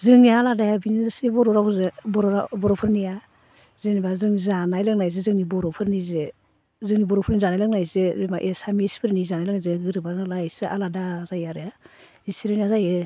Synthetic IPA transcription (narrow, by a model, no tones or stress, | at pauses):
zɯŋnialadajabinizasibɔɾɔɾauzebɔɾɔabɔɾɔpʰɯɾnija | zenibazɯŋzanajlaŋnajzezɯŋnibɔɾɔpʰɯɾnize | zɯŋnibɔɾɔpʰɯɾnizanajlaŋnajzeemaʔesamispʰɯɾnizanajlaŋnajzeɡɯɾɯbaɾnalajsɯa̰ladazajaɾɯja | zisiɾeniazaje